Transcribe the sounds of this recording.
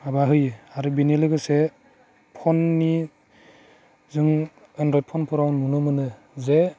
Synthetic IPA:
abaɦɯjaɾɯbinelɯɡɯse | pʰɔnːi | zɯŋ | enɾɔjt̚pʰɔnpʰɔɾawnunɯmɯnɯ | ze

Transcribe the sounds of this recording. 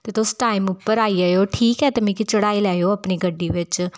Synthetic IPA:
t̪eːt̪osʈaːɪmʊpːəɾaːiːaːjoːʈʰiːkɦɛːt̪emĩːkit͡ʃəɽaːiːlɛːoːəpɳiːɡəɖːiːʋɪt͡ʃ

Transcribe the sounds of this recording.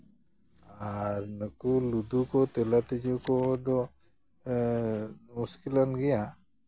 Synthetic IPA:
aɾnəkulud̪ukɔt̪ɛlaʈid͡ʒɔkɔd̪ɔ | muskilɔnɡɛja

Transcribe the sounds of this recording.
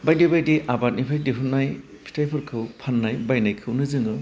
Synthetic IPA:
bajdibajdiʔabat̚nipʰajdiɦʰɯnːaj | pʰi̥tʰajpʰɯɾkʰɯwpʰanːajbajnajkʰɯwnɯzɯŋɯ

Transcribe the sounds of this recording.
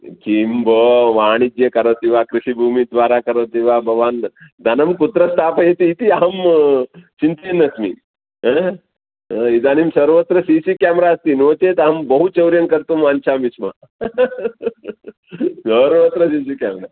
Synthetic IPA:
kimbʱoʋaːɽ̃id͡ʒ̪jekɐɾot̪iʋakɾiɕibʱuːmid̪ʋaːɾakɐɾot̪iʋabʱɐʋaːnd̪ʱɐnɐmkut̪ɾɐst̪ʰapəjet̪iːt̪iam | t͡ɕint̪enːɐsmḭ | ɦe | id̪animsɐɾʋət̪ɾɐsisikɛmɾast̪inot̪et̪ambəɦut͡ʃɐwɾjɐŋkɐɾt̪ummaːnt͡ʃaʋisma | səɾʋət̪ɾɐsiːsikɛmɾa

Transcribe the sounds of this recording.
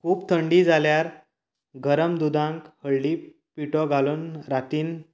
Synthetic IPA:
kʰuːpt̪ʰəɳɖid͡zaljaɾ | ɡʱəɾəmd̪ud̪ãŋkhəɭliː | piʈɔɡʱaluːnɾat̪iːn

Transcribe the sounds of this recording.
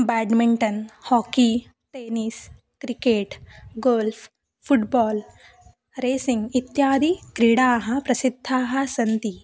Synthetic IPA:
bɛːɖmiɳʈɐnhɔːki | ʈeːniːs | kɾikeːʈɡoːlf | fʰuʈbɔːl | ɾeːsĩŋɡit̪jaːd̪ʱikɾiɽaːɦɐ̃pɾɐsid̪ʱːaːɦɐsɐnt̪i

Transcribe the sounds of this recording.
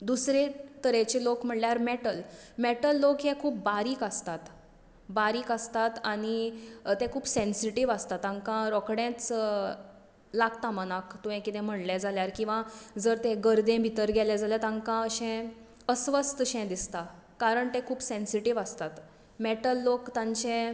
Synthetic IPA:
d̪usɾet̪əɾet͡ɕelokm̤əʈljaɾmɛʈəlmɛʈəlːokɦɛ̃kʰuːp̚baɾiːkəst̪at̪ | baɾiːkəst̪at̪aɽ̃it̪ẽkʰuːbsensiʈiʋast̪at̪ãŋkãɾɔkɽɛ̃t͡s | laɡt̪amənakt̪ũɦẽkit̪ɛ̃m̤əɽlɛd͡zʱaljaɾkĩw̃ʋad͡zəɾt̪ẽɡəɾd̪ẽbʱit̪əɾɡɛled͡zalɛt̪ãŋkãəɕɛ̃ | əsʋəst̪əɕɛ̃d̪ist̪a | kaɾəɳt̪ekʰuːbsẽnsiʈiʋast̪at̪ | mɛʈəlːokt̪ãɲt͡ɕẽ

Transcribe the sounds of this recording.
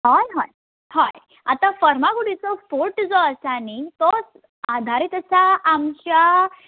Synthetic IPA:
ɦɔjɦɔj | hɔj | a̰t̪afəɾmaɡuɽisɔfoɾʈd͡zɔəsanit̪ɔs | ad̪ʱaɾit̪əsaːmɕa

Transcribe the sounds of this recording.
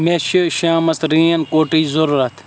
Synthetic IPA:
meʃiʃaːmɐst̪ɾĩːɐnkoːʈiːzɐɾuɾɐt̪ʰ

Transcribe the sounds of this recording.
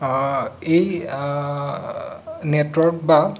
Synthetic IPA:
ej | netwɔɹk̚ba

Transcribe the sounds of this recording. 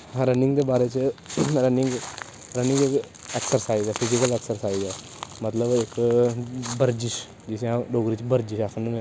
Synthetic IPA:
ɾənɪ̃ŋɡd̪eːbaːɾet͡ʃəɾənɪ̃ŋɡ | ɾənɪ̃ŋɡɪk | ɛksəɾsaːizɛːpʰɪzɪkəlɛːksəɾsaːizɛː | mət̪ləbɪk | bəɾd͡ʒɪʃ | d͡ʒɪsãɖoːɡɾit͡ʃbəɾd͡ʒɪʃaːkʰənũẽ

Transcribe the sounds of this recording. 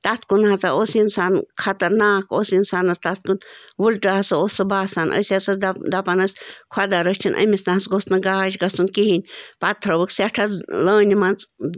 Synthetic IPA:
t̪at̪ʰkunhat͡saosinsankʰɐt̪ɐɾnaːkosinsanɐst̪at̪̚ʰkunʋulʈaat͡sɨosɨbaːsaːnʔə̰sʲat͡sad̪apanɐsʲkʰwad̪aɾət͡ʃʰinʔɐ̰mʲisnaɦat͡sɡosnɨɡaːʃɡɐsunkiɦinʲpat̪ʰɾɐʋəksʲaʈʰaləːnʲimant͡s

